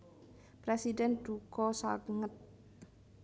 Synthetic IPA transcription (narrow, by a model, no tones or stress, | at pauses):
pɾesidɛnd̥ukɔsaɡŋət̪̚